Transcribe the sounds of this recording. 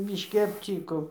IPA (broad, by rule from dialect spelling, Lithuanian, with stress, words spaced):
bʲɪʃʲˈkʲɪ ɐpʲˈt͡sʲiːkoː